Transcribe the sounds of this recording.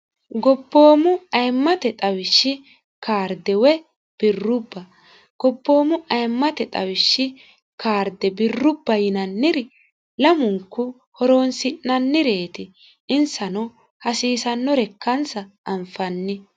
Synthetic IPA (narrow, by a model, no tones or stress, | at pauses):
ɡɔbːo̞ːmʊɐjmːɐt̪ɛt̪ʼɐwɪʃːɪ | kaːɾd̪ɛwɛ | b̥ɪrːʊbːɐ | ɡ̥ɔbːo̞ːmʊʔɐjmːɐt̪ɛt̪ʼɐwɪʃːɪ | kaːɾd̪ɛbɪrːʊbːɐjɪnɐnːɪɾɪ | lɐmʊŋkːʊ | hɔɾoːnsɪʔnɐnːɪɾeːt̪ɪ | ɪnsɐnɔ | hɐsiːsɐnːɔɾɛkːɐnsɐʔːmfɐnːɪ